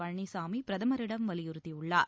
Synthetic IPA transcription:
ɐɻɳːisaːmipɪɾɐðɐmɐɾɪɽɐmʋɐlɪjʊɾɯt̪ːiʊɭːa̰ːɾ

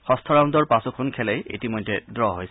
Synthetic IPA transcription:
xɔstʰɔɹaw̃ndɔɹpasɔkʰɔnkʰɛlɛjḛtimojdːɛdɹɔɦojs

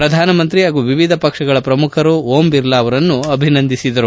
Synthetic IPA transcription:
pɾɐd̪ʱaːnɐmɐnt̪ɾiɦaːɡuːʋiʋid̪ʱɐpɐkʂɐɡɐɭɐpɾɐmukʰɐɾuoːmbiɾlaːʋɐɾɐnːuɐbʱinɐnd̪ʱisid̪ɐɾu

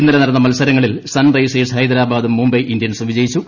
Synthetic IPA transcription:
inːɐlenɐɾɐnːɐmɐlsɐɾɐŋːɐɭilsɐnrɐjseːshɐjd̪ɐɾaːbaːd̪umːumbɐjʔind̪jɐnsumʋid͡ʑɐjit͡ɕːu

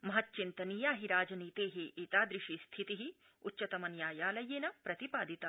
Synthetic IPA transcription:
mɐɦɐtːt͡ʃint̪ɐniːjaːɦiɾaːd͡ʒɐniːt̪eːɦeːʔit̪aːd̪ɾɪʃist̪ʰit̪iɦi | utːt͡ʃɐt̪ɐmɐnjaːjaːlɐjeːnɐpɾɐt̪ipaːd̪ʱit̪ɐ

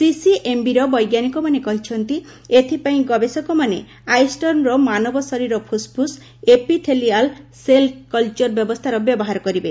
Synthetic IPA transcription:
sisiʔembiɾɔbɔjɡjanikɔmanekɔɦit͡ʃʰɔnt̪i | et̪ʰipaĩɡɔbesɔkɔmane | ajsʈɔnɾɔmanɔbɔsɔɾiɾɔpʰuspus | epit̪ʰelialselkɔlt͡ʃɔɾbjɔbɔst̪ʰaɾɔbjɔbɔɦaɾɔkɔɾibe

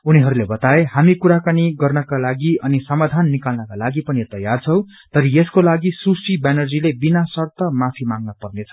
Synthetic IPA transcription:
uniɦʌɾulebʌt̪aeɦamikuɾakaniɡʌrnʌkalaɡiʌnisʌmad̪ʱanːikalnʌkalaɡipʌnit̪ʌjart͡sʰʌw̃ | t̪ʌɾieskolaɡisusibanʌrd͡zilebinasʌrt̪ʌmapʰimaŋɡnʌpʌrnet͡sʰʌ̥

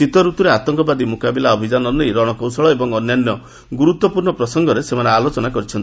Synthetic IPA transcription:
sit̪ɔɾut̪uɾeat̪ɔŋkɔbad̪imukabilaɔbʱid͡ʒanɔnejɾɔɽ̃ɔkɔw̃sɔɭɔebɔŋɔnjanjɔ | ɡuɾut̪wɔpuɾɳɔpɾɔsɔŋɡɔɾesemanealot͡ʃɔnakɔɾit͡ʃʰɔni

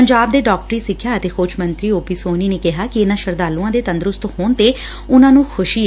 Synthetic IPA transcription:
əɲd͡ʒaːb̚d̪eːɖɔːk̚ʈəɾiːsɪkʰːjaːət̪eːkʰoːt͡ʃʰmənt̪ɾiːoːpiːsoːniːneːkɪɦaːkɪɪnãːʃəɾd̪aːlũãːd̪eːt̪ə̃nd̪ɾʊst̪hoːnt̪eː | ʊnãːnũːxʰʊʃiː

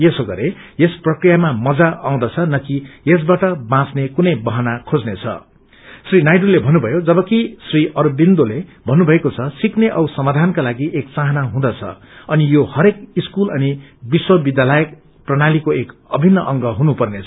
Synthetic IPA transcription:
jesoɡʌɾe | jesprʌkrijamamʌd͡zaʔaw̃d̪ʌt͡sʰʌnʌkijes̬baʈʌbãsnekunʌjbʌɦʌnakʰod͡znet͡sʰʌ̰ | srinajɖulebʱʌnːubʱʌjod͡zʌbʌkisriʔʌrbind̪olebʱʌnːubʱʌekot͡sʰʌsikneʔʌwsʌmad̪ʱankalaɡiʔekt͡sãɦʌnaɦũd̪ʌt͡sʰʌ̰ | ʌnijohʌɾekiskulʌnibiswʌbid̪jalʌjʌk̚ | prʌnalikoekʌbʱinːʌʔʌŋɡʌɦunupʌrnet͡sʰʌ

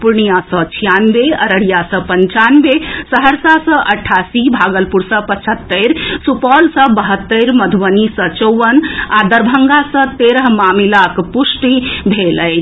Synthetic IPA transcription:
puɾɳijasə̃t͡ʃʰijanbeəɾəɽijasə̃pənt͡ʃanbesəɦəɾsasə̃ʔəʈʰasibʱaɡəlpuɾsə̃pət͡ʃʰət̪ːəɾsupɔlsə̃bəɦət̪ːəɾməd̪ʱuʋənisə̃t͡ʃɔwʋənad̪əɾbʱəŋɡasə̃t̪eɾəɦmamilakpusʈibʱeləjʰ

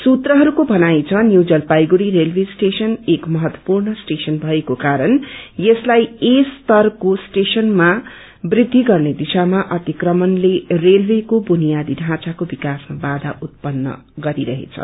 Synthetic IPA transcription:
sut̪rʌɦʌɾukobʱʌnajt͡sʰʌnjuwd͡zʌlpajɡuɾiɾelbʱesʈesʌnekmʌɦʌt̪wʌ̥purnʌsʈesʌnbʱʌekokaɾʌnjeslajest̪ʌrkosʈesʌnma | brid̪ʱːiɡʌrned̪isamaʔʌt̪ikrʌmʌnlerelbekobunijad̪iɖʱãt͡sakobikasmabad̪ʱaʔut̪̚pʌnːʌ̰ | ɡʌɾiɾʌɦḛt͡sʰʌ̰

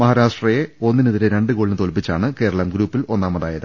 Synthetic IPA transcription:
mɐɦaːɾaːʂʈrɐje̞o̞nːiniðiɾeɾe̞ɳɖɨkoːɭnɨt̪o̞lpːit͡ɕːaːɳɨke̞ːɾɐɭɐmɡɾuːpːilo̞nːaːmːɐðaːjɐðɨ

